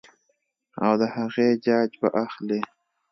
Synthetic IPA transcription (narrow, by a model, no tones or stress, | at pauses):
a̰wd̪əhaɣed͡ʒɑːd͡ʒba̰ʔaxle